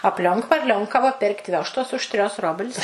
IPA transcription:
ɐpʲˈlʲoːŋk ʋɐrʲˈlʲoːŋkɐʋɐ ˈpʲeːrʲkʲtʲ ˈʋʲoːʃtoːs ʊʃ tʲrʲoːs ˈroːbʲlʲsʲ

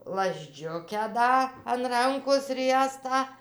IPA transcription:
lˠɐzʲˈd͡ʒʲʊkʲæː ˈdɐ ɐn ˈrɐŋkoːs ˈrʲiɛstɑː

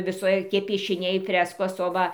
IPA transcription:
ʋʲɪˈsoːkʲiɛ pʲiɛʃʲɪˈnʲɛɪ ˈfʲrʲæːskoːs oː ˈʋɐ

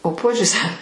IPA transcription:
oː ˈpuɔd͡ʒʲʊsʲɛ

